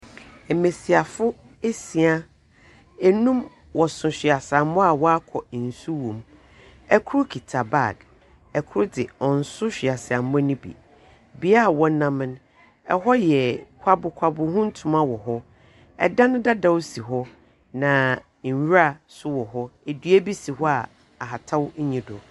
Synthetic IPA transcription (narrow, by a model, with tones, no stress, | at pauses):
ɛ˨mẽ˨si˨a˨fʊ˦ | e˦si˨a˦ | ɛ˨nũ˦m | wɔ˨sʊ̃˨ɕᶣɪ˨a˨sa˨mʊ̃˦a˨wɔ˦a˦kʰɔ˨n̩˨su˦wõ˨m | ɛ˦kʰʊ˦ɾʊ˦kʰi˨tʰa˨ba˦˨ɡ | ɛ˨kʰʊ˦ʊ˦dɪ˨ɔ̃˨n̩˨sʊ˦ɕᶣi˨a˨sɪ˨a˨m˦ɔ̃˦nĩ˦bḭ˨ | bi˦a˦˨wɔ̃˦nã˦mɪ̃˦n | ɛ˨ɦɔ˦jɛ˨kʰʷa˦bʊ˨kʰʷa˨bʊ˨ɦʊ̃˦n̩˦tʰũ˨mã˦wɔ˨ɦɔ˦ | ɛ̰˨dã˦nʊ̃˦da˦da˦˨wsi˨ɦɔ˦ | nã˨ | ɲ̩˨ɥɾa˦sʊ˦wɔ˨ɦɔ˦e˨dɥæ˦bi˦si˨ɦɔ˦a˨ | a˨ɦa˨tʰa˦wɲ˦ɲĩ˦dʊ̰˨